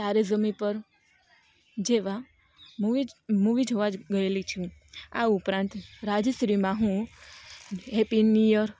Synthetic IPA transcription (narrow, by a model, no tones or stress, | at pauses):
t̪aɾezəmipəɾ | d͡ʒeʋa | muimuʋid͡ʒɦoʋad͡ʒɡəelit͡ʃʰũa̰upɾãnt̪ɾad͡ʒsɾimãɦũ | ɦepinijəɾ